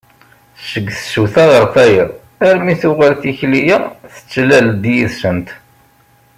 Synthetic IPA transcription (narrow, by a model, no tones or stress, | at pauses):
ʃəɡːθə̥suθæʁəɾˤθæjəʁ | æɾmiθʊʁalθiçlijaθə̥t͡sːlæld̪jiðsənt̪